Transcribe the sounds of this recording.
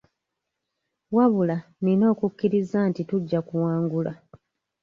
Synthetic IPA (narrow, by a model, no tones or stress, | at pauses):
waβula | nino̞ːkukːiɾizantituɟːakuwaːŋɡula